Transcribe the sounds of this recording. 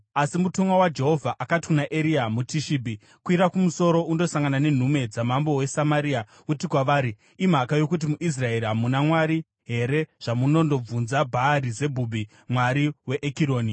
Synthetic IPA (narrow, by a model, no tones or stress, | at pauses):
asimutomwawad͡ʒe̞ɦo̞vʱaʔakati̥kunaʔeɾiamutʰiʃiːbʱi | kwiɾakumuso̞ɾo̞ʔundo̞saŋɡanane̞n̤ume̞d͡zamambo̞we̞samaɾiːa | utikwaʋaːɾi | im̤akajo̞kut̬imuʔis̬rae̞ɾiɦamunamwaɾi | ɦe̞ɾe̞ʐ̥amuno̞ndo̞b͡vunzabʱaːɾize̞bʱubʱi | mwaɾiwe̞ʔekiɾo̞ːni